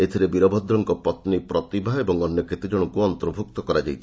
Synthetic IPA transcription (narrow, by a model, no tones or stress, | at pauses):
et̪ʰiɾebiɾɔbʱɔd̪ɾɔŋkɔpɔt̪nipɾɔt̪ibʱaebɔŋɔnːjɔkʰet̪id͡ʒɔɽ̃ɔkuɔnt̪ɔɾbʱuk̚t̪ɔkɔɾad͡ʒajt̪ʰi̥